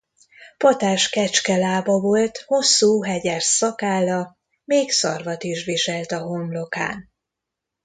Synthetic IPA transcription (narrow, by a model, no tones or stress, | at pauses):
pɒt̪aːʃkɛt͡ʃkɛlaːbɒvo̞lt̪ho̞sːuːɦɛɟɛrsɒkaːlɒ | meːksɒ̰rvɒt̪iʃʋiʃɛlt̪ɒɦo̞mlo̞ka̰ːn